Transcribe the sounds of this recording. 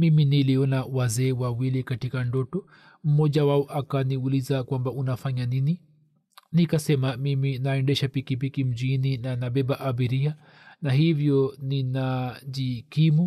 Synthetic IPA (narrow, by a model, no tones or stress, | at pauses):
miminiliɔnawazɛːwawilikatikandɔtɔ | m̩mɔʄawaɔʔakaniulizakwambaunafaɲanini | nikasɛmamiminaɛndɛʃapikipikim̩ʄininanaɓɛɓaʔabiɾia | naɦivjɔninaʄikimu